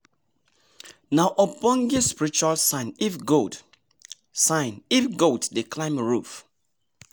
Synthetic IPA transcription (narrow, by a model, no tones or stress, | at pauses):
naʊʔɔpɔ̃nɡispiɹit͡ʃualsãɪ̃nifɡo | sãɪ̃nifɡotdeklãɪ̃mɹuf